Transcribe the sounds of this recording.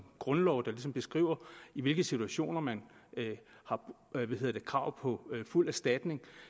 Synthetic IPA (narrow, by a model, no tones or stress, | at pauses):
ɡ̥ʁɔ̽nlɒʊd̥ɑ̈lis̬ɒ̽mb̥e̝sɡ̥ʁḭʊ̰ɐiʋe̝lɡ̥əsit͡sʰuæɕo̝̰ːnɐmæn | hɑ̈ | ʋæhe̝ð̰ˠɐd̥e̝kʰʁɑ̈ʊ̰pʰɒ̽ful̰æɐsd̥æd̥ne̝ŋ